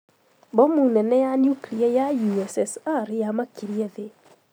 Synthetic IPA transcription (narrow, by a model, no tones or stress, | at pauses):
bɔmunɛnɛjanjukiliajajuɛsɛsaɾjamakiɾiɛðe